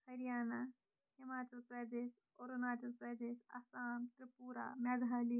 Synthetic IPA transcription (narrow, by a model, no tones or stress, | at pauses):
hɐɾijaːna | himaːt͡ʃɐlpɾɐd̪eːʃ | oɾonaːt͡ʃɐlpɾɐd̪eːʃɐ̰saːmt̪ɾɐpuːɾa̰mɐɡ̪ʱaːli